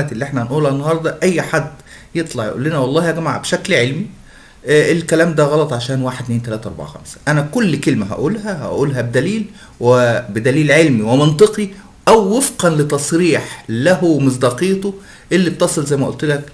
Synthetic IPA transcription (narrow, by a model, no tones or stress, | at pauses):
æːt̪elːiʔeħnæhænʔuːlænːɑhɑɾˤd̪ˤɑʔæjːħad̪ː | jet̪ˤlɑʕjḛʔo̰lːenæwɑlˤːɑːhjæɡæmaʕ̰beʃæklʕelmi | ʔelkælæːmd̪æɣɑlɑt̪ˤʕaʃæːnwaːħed̪neːnt̪ælæːt̪æʔɑ̰ɾˤba̰ʕxæ̰msæ̥ʔænækolːkelmæɦæ̰ʔuːlɦæhæ̰ʔuːlɦæbed̪æliːl | webed̪æliːlʕelmiwement̪ˤɨqi | ʔæwːefqɑnlet̪ɑsˤɾiːħlæhomozd̪ɑqiːt̪ˤo | ʔelːib̚t̪ɑsˤelzæjmæʔolt̪læk̚